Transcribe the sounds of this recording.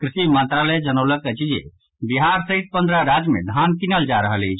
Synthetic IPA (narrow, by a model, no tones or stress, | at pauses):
kɾisimə̃nt̪ɾalɛd͡ʒənəwləket͡ʃid͡ʒḛ | biɦaɾsəɦit̪̚pənd̪ɾaɾad͡ʒmḛd̪ʱankinəld͡ʒaɾəɦəlet͡ʃʰ